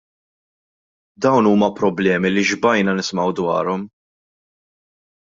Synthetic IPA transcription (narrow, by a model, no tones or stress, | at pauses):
d̪ɐwnuːmɐpɾɔblɛːmiliʒbɐjnɐnɪsmɐwd̪wɐ̰ːɾɔm